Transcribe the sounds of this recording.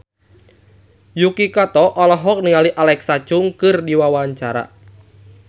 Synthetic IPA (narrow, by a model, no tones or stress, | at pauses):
jukikɔt̪ɔʔɔlɔɦɔk̚niŋaliʔalɛksat͡ʃuŋkɨrdiwawaɲt͡ʃaɾa̰